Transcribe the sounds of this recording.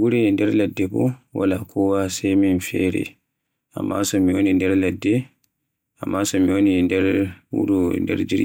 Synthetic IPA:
ɡuɾɛndɛɾlɛdːɛbɔ̰wa̰lakʰɔwasɛminfɛ̰ːɾɛ̰ | a̰mːasɔmiwonindɛɾlɛdːɛ | amːasɔmiwonindɛɾwṵɾundɛ̰ɾd͡ʒiɾ

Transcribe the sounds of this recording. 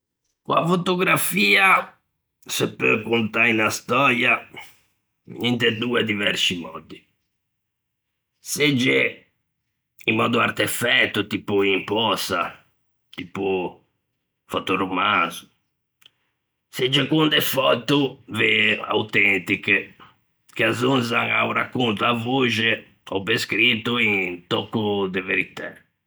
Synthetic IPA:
kwa̰fot̪oɡɾafiːa | sepːøkont̪ainast̪ɔɾja | ɲɛnt̪ed̪uːed̪ivɛɾsimɔ̰d̪i | sed͡ʒːe | imːɔ̰ːd̪uart̪efɛt̪ːut̪iːpuimpɔsa̰ | t̪ipu | fɔt̪urumanzu | sed͡ʒɛkwund̪ɛfɔt̪uvea̰wt̪ɛnt̪ike | k̟eazunzaŋa̰wɾakːunt̪uavoʒe | ɔbeskɾit̪uiŋt̪ɔkːud̪eveɾit̪ɛ

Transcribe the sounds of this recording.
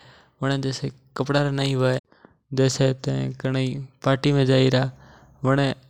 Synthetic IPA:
ʋəɳ̃ẽːd͡ʒeːseː | kəpɽaːɾanəĩːʋəe | d͡ʒeːseːt̪ẽkəɳiːpaːʈiːmẽːd͡ʒaːiːɾaː | ʋəɳẽː

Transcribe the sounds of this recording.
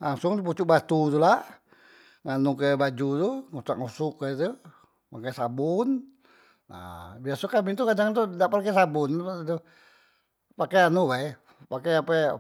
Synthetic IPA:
laŋsʊŋt̪up̬ut͡ʃuʔbat̪ut̪ulaʔ | ŋanukəbad͡ʒut̪uŋutaʔ̚ŋɔsukət̪u | pakasabun | na̰biasukamit̪ukadaŋt̪̬udaʔparkɛsabʊnt̪adu | pakɛanubaj | pakɛapɛ

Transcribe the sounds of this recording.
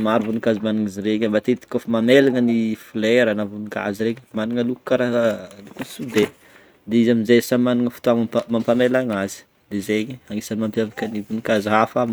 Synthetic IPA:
maɾuvunikazimaniŋiziɾeɲambat̪et̪i̥kʲofimamelaŋənifuleɾanavunika̰ziɾeɲmaniŋəluku̥kaɾalukusud̪e | d̪eizaminzesamaniŋəfu̥t̪uaŋmampamelaŋazi̥ | d̪̥ezeɲiaŋisanimampjavakənivunikazɦafam

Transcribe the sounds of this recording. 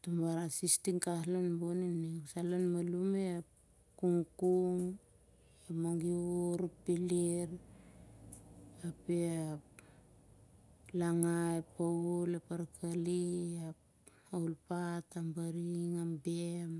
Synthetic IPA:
tumbaɾasistiŋkaslanboninesalanmalumea | kuŋkuŋ | amaŋɡiuɾpiliɾ | apeap | laŋajepaulapaɾkʰaliap | aulpatambaɾiŋambem

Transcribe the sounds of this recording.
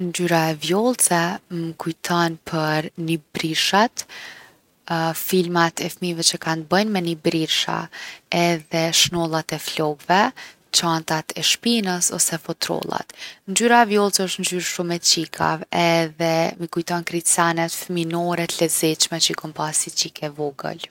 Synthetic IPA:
nd͡ʒyɾaɛvjɔlˠt͡sɛməkujt̪ʰɔnpʰəɾnibɾiɾʃat̪ | filmat̪ɛfmivɛt͡ʃəkant̪̚bəjnmɛnibɾiɾʃa̰ɛðɛʃnɔlˠat̪ɛflɔɡvɛ | t͡ʃant̪at̪ʰɛʃpinəsɔ̰sɛfɔt̪ɾɔ̰lˠa̰t̪nd͡ʒyɾavjɔlˠt͡səʃt̪nd͡ʒyɾʃumɛt͡ʃikʰa̰vɛðɛməkujt̪ɔnkɾisanɛt̪fminɔɾɛt̪lɛzɛt͡ʃmɛt͡ʃəikɔmpasit͡ʃikʰɛvɔɡə̰l

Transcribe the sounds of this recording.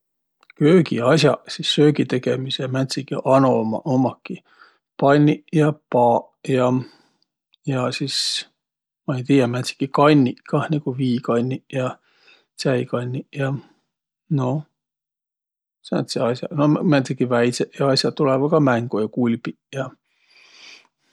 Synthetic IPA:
køːkḭɑsʲjɑsisːøːɡit̪e̞ɡemisemæt̪sikiʔɑnomɑ̰ʔomɑkːi | pɑnʲːijɑpɑː | jɑ | jɑsis | mɑejt̪iːjɑmæt̪si̥kikɑnʲːiʔkɑnikuviːkɑnʲːiʔjɑ | sæikɑnʲːiʔjɑ | no | sḛt̪seɑsjɑ̰nomæt̪sikːivæj̪seʔjɑɑsʲjɑt̪ulɛvɑkɑmæŋɡ̥ojɑkulʲpi | jɑ

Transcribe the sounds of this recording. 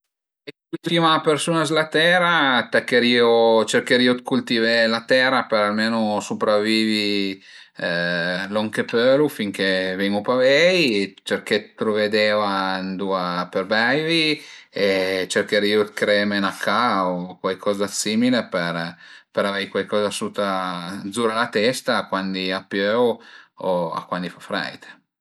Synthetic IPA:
e | ult̪t̪imapersuːnazlat̪ɛːɾat̪ek̟eɾiːot͡ʃerkeɾiːod̪̚kult̪ivelat̪ɛɾapeɾalmeːnosupɾavːiːvi | lɔŋkepølufiŋkeveŋupavɛjt͡ʃerket̪ːɾoved̪eːand̪uːaperbɛjvi | et͡ʃerk̟eɾiːud̪kɾɛmenakʰːaokwajkʰɔːzasiːmilepeɾpeɾavejkwajkɔːzasut̪ad̪zuːɾalat̪ɛst̪aːkwand̪iapːjøooa̰kwand̪ifafːɾɛ̰jt̪e̥

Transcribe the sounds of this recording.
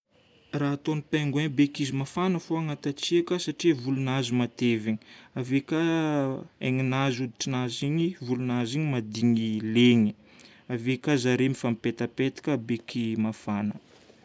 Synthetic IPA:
raɦat̪onipaŋɡwenbekizimafanəfoaŋat̪at͡siakəsaʈ͡ʂivulunazimat̪eviɲi̥avekʲa | eŋinazud̪iʈ͡ʂinaziɲivulunaziɲimad̪iɲileɲi̥ | avekʲazaɾemifamipet̪apet̪i̥kʲəbekʰimafanə

